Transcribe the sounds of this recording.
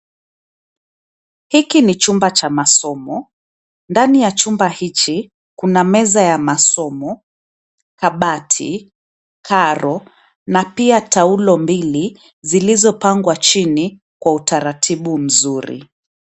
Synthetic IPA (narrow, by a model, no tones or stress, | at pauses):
hikinit͡ʃumbat͡ʃamasɔmɔ | ndanijat͡ʃumbahit͡ʃi | kunamɛzajamasɔmɔ | kaɓatʰḭ | kʰaɾɔ | napiataulɔmbili | zilizɔpaŋɡwat͡ʃini | kwautaɾatʰiɓum̩zuɾḭ